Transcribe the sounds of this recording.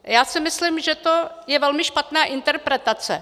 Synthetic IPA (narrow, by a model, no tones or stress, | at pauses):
jaːsɪmɪslimʒɛt̪o | jɛvɛlmɪʃpat̪naːʔɪnt̪ɛɾpɾɛt̪at͡sɛ̰